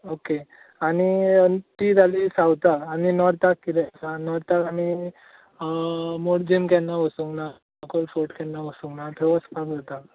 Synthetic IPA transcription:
oke | aɽ̃iənt̪id͡z̪ʱalisawt̪aaninɔɾt̪akːid̪ɛsanɔɾt̪akaɽi | moɽd͡ʑimkɛnːaʋəsuŋɡna | akolfoʈkanːaʋəsuŋɡnat̪ʰeʋəspakd͡zat̪a

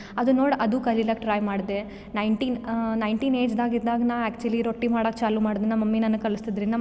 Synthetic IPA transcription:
ɐd̪unoːɽɐd̪ukɐlilɐk̚ʈɾaːjmaːɽd̪e | nɐjɳʈiːnnɐjɳʈiːneːd͡ʒd̪aːɡid̪aːɡɐnaːæːk̚t͡ʃuɐliɾoʈːimaːɽok̚t͡ʃaːlumaːɽd̪ɐnːɐmɐmːinɐnːɐkɐlist̪id̪ɾind̪ɐ

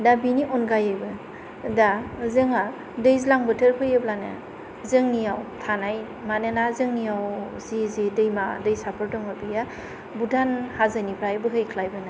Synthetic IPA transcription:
dabiniʔɔnɡajɯjbɯ | dazɯŋa | dɯjzilaŋbɯtʰɯɾpʰɯjɯblana̰ | zɯŋnijawtʰanaj | manɯnazɯŋnijaw | zizidɯjmadɯjsapʰɯɾdɔŋɯbɯja | budʰanhazanipʰɾajbɯɦɯjkʰlajbɯnaj

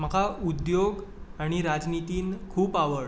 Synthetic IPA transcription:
məkaud̪joɡaɽ̃iɾad͡znit̪iːnkʰuːpaʋəɽ

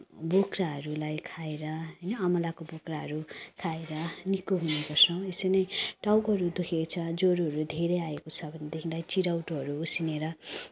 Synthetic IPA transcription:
bokraɦʌɾulajkʰaeɾʌɦʌjnʌːmʌlakobokraɦʌɾukʰaeɾʌnikoɦunekʌsʰʌw̃esʌnʌjʈawkɦʌɾud̪ukʰekt͡sʰʌd͡zoɾuɦʌɾud̪ʱeɾʌjaekot͡sʰʌbʱʌned̪ekʰĩlajt͡siɾawʈoɦʌɾuusineɾʌ

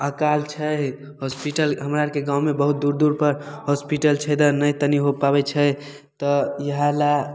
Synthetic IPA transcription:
əkalt͡ʃʰə | ɦospiʈəlɦəmɾaɾkeɡãw̃mebəɦut̪̚d̪uɾd̪uɾpəɾhospiʈəlt͡ʃʰəjd̪ənəjt̪əniɦopaβɛt͡ʃʰə | t̪ɔjəɦala

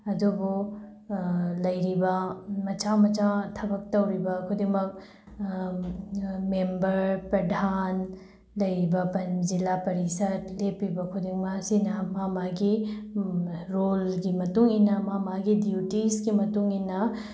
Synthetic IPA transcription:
ɐdubu | lɐjɾibɐmɐt͡ʃamɐt͡ʃatʰɐbɐk̚tɐwɾibɐkʰudimɐk̚ | membɐɾpɾɐdʱan | lɐjɾibɐpɐnzilapɐɾisɐtlepːibɐkʰudiŋmasinɐmamaɡi | ɾolɡimɐtuŋinɐmamaɡidjutisɡimɐtuŋinɐ

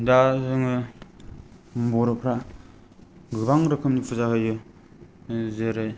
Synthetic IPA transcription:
dazɯŋɯ | bɔɾɯpʰɾa | ɡɯbaŋɾɯkʰɯmnipʰuzaɦɯjɯ | zɯɾɯj

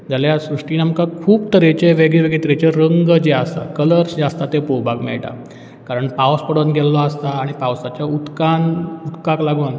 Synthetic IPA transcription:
d͡zaljasɾuʂʈiːnamkakʰuːbt̪əɾet͡ɕeʋeɡeʋeɡɭet̪əɾet͡ɕeɾəŋɡd͡ʑeast̪a̰kələɾsd͡ʑeast̪at̪epobʱaɡmɛ̰ɭʈa̰ | kaɾəɳpawspəɽonɡɛllːɔast̪aːɽ̃ipawsat͡ɕjaut̪kanut̪kaklaɡun

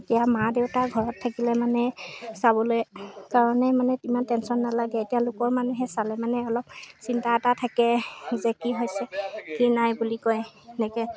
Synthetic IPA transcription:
etijamadewtaɡʱɔɹɔtʰːakilɛmanɛsaβɔlojkaɹɔnɛmanɛimantɛnsɔnːalaɡɛetijalʊkɔɹmanuɦɛsalɛmanɛɔlɔp̚sintatatʰakɛzɛkiɦojsɛkinajbulikɔjnɛkɛ

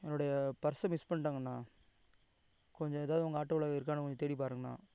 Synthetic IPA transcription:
ɛnːoɽɐjɐpɐɾsɐmɪspɐɳʈaːŋɡɐnːaː | kɔɲd͡ʒɔ̃ɛðaːʋðɯʊŋɡɐaːʈːɐʋɯɭɐɣɪɾɯk̬ːaːnɐkɔɲd͡ʒɔ̃t̪ɛːɽipaːɾɯŋɡɐna̰ː

